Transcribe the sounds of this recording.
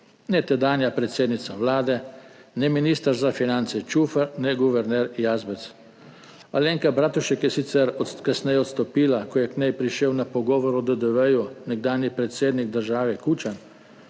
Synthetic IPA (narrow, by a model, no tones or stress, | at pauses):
nɛt̪ɛd̪aːnjapɾɛt̪seːd̪nit̪saʋlaːd̪ɛnɛminiːst̪əɾzafinant̪sɛt͡ʃufəɾnɛɡuʋɛɾnɛɾjaːzbɛt̪s | aleŋkabɾaːt̪uʃɛkjɛsit̪sɛɾɔkasnɛjɛɔt̪st̪ɔpiːlakɔjɛknɛjpɾiʃewnapɔɡɔːʋɔɾɔd̪əd̪əʋəjunɛɡd̪aːnjipɾɛt̪seːd̪niɡ̚d̪əɾʒaːʋɛkuːt͡ʃan